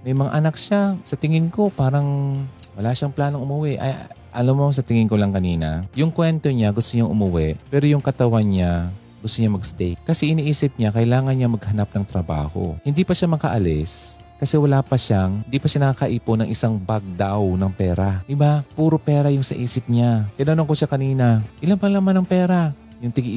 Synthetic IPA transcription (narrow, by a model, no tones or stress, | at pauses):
mɐjmɐŋa̰ʔɐnak̚ʃasɐt̪ɪŋɪŋko̞paːɾɐŋwɐlaʃaŋplaːno̞ŋʔʊmʊwɛʔɐ̰j | ʔɐlamːoŋs̬ɐt̪ɪŋɪŋkolɐŋkɐniːnɐ̰jʊŋkwɛnt̪o̞ɲaɡʊst̪oɲaŋʔʊmʊwɛʔpɛːɾojʊŋkɐt̪ɐwanɲa | ɡʊst̪oɲamɐɡst̪ɛjkkɐsɛʔɪniʔiːsɪp̚ɲakɐjlaːŋɐnɲamɐɡ̚hɐnap̚nɐŋt̪ɾɐba̰ːho̞̰hɪnd̪ipɐʃamɐkaʔɐlɛs | kɐsɛwɐlaːpɐʃaŋhɪnd̪ipɐʃanɐkakɐʔiːponɐŋʔɪsaŋbaɡ̚d̪awnɐŋpɛːɾad̪ɪbapuːɾopɛːɾɐjʊŋsɐʔiːsɪp̚ɲakɪnonoŋkoʃakɐniːnaʔɪlampɐŋlamanːɐŋpɛːɾa | jʊŋt̪ɪɡ